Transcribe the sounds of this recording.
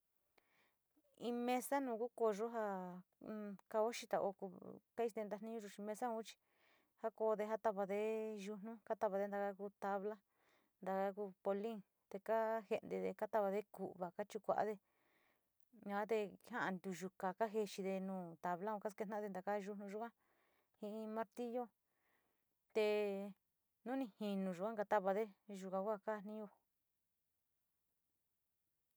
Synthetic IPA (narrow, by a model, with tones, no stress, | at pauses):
ĩ˧mẽ˧sa˦nũː˧˨ku˦ko˧ʐo˦ɦa˧ | ka˧o˦ʃi˧t̪a˧ʔo̰˧ku˧ka˦i˧t̪ẽ˧nd̪a˧nĩ˦ɲũ˧ʒu˧t͡ʃi˧mẽ˧sa˦ũ˦t͡ʃi̥˧ | ha˦ko˧ðe˧ɦa˦t̪a˧βa˧ðe˧ʒu˧nũ˦ka˦t̪a˧βa˧ðe˧˦d̪a˧ka˧ku˧t̪a˧βla˦ | nd̪a˧ka˧ku˧po˧li˦ŋ | t̪e˧ka˦he˧nd̪e˧ðe˧ka˦t̪a˧βa˧ðe˦ku˨ʔβa˨ka˦t͡ʃu˧kʷa̰˨ʔa̰˦ðe˧ | ɲã˧a˦t̪̬e˧˦hã˦ʔã˧nd̪u˧ʒu˧ka˨ka˦ɦe˧t͡ʃi˧ðe˧nũː˧˨t̪a˨βla˦ũ˧ka˦ske˧nã˦ðe˧nd̪a˨˧ka˧ʒu˧nũ˧ʒu˦kã˦ | hĩ˧ʔĩ˧mã˦ɾt̪i˦jo˦ | t̪e˧ | nũ˦nĩ˧hĩ˧nũ˨˧ʒu˨kʷã˦ka˧t̪a˦βa˧ðe˦ʒu˧kã˧kʷa˦ka˦˨˧n̥ĩ˦jo˧